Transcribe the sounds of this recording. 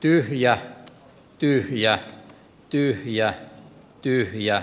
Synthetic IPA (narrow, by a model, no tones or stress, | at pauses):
t̪yhjæ | t̪yhjæ | t̪yhjæ | t̪yhjæ